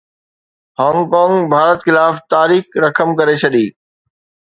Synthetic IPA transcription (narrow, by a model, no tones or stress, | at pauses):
hɔ̃ːŋɡkɔ̃ːŋɡbʱaːɾət̪xɪlaːft̪aːɾiːxɾɐkʰəmkɐɾet͡ɕʰɐɗiː